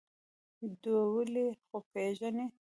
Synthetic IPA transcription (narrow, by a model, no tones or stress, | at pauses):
d̪uwəlexopeʒəne